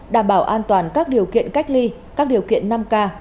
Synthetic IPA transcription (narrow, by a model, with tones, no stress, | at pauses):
ɗaː˧˩mɓaː˧˩wʔaː˧nt̪waː˨˩nkaː˦˥k̚ɗi˨˩əwkḭ˧˨ənka˦˥jk̟̚li˧ | kaː˦˥k̚ɗi˨˩əwkḭ˧˨ənːa˧mkaː˧